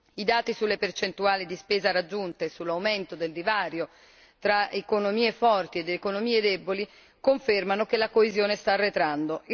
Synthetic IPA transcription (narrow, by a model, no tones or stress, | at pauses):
id̪aːt̪isulːepert͡ʃent̪uaːlid̪ispeːzaɾad͡ʒːunt̪esulːawment̪od̪eld̪ivaːɾjo | t̪ɾaekonomiːefɔrt̪ied̪ːkonomiːed̪ɛboli | koɱfermanokelakoezjoːnest̪arːet̪ɾand̪o